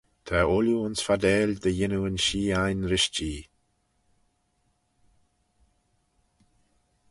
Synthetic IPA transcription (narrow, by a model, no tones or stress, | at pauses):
t̪ʰaʊluʊnsfad̪ɛːld̪əjɪnuənʃiːajnɾɪʃt͡ʃiː